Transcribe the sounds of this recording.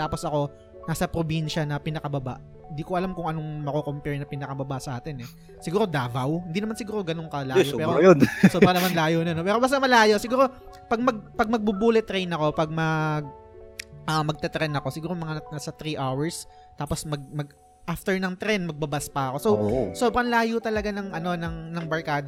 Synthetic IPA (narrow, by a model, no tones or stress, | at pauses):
t̪aːpo̞sɐko̞ | naːsɐpɾobinʃɐnɐpɪnɐkɐbɐba̰ʔ | hɪnd̪ikoʔɐlamkʊŋʔɐnoŋmɐkokompɛɹnɐpɪnɐkɐbɐbasɐʔaːt̪ɛnɛ | sɪɡuːɾo̞d̪aːvɐwhɪnd̪inɐmansɪɡuːɾo̞ɡɐnoŋkɐlaːjopɛːɾojosobɾɐnɐmanlaːjonɐnopɛːɾobɐs̬t̪ɐmɐlaːjo̞sɪɡuːɾo̞ | pɐɡ̚mɐɡ̚pɐɡ̚mɐɡ̚bubuːlɛt̪ɾɛjnɐko̞pɐɡ̚mɐɡ̚ | ʔɐmɐɡ̚t̪ɛt̪ɾɛnɐko̞sɪɡuːɾomɐŋanasɐt̪ɾiʔawɛɹs | t̪aːpo̞smɐɡ̚mɐɡ̚ | ʔaft̪ɛɹnɐŋt̪ɾɛnmɐɡ̚bɐbaspɐɐko̞sowsoːbɾɐŋlaːjot̪ɐlɐɡanɐŋʔɐno̞nɐŋnɐŋbɐɹkaːd̪